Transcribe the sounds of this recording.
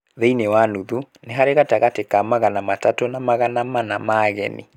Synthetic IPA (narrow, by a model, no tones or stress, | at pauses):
ðeinewanuðuneɦaɾeɣataɣatekamaɣanamatatonamaɣanamanamaɣɛ̰nḭ